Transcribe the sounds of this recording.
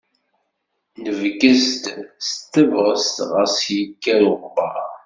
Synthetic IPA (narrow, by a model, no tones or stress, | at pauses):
nəvɡəst̪st̪ːəvʁəst̪ʁəsjəkːæjʊʁbɑ